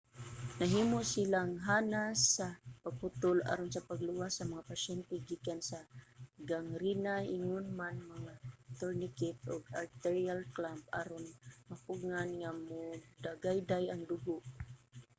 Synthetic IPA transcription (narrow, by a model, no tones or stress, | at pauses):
naɦimʊsilaŋɦanasapaɡ̚pʊt̪ʊla̰ɾonsapaɡlʊwasːamaŋapaʃɛnt̪ɛɡikansaɡaŋɾinaɪŋʊnmanmaŋat̪oɾnɪkɪt̪̚ʊɡalt̪ɛɹialklamp̚a̰ɾʊnmapʊɡŋanŋamʊd̪aɡajd̪ajaŋd̪ʊɡʊʔ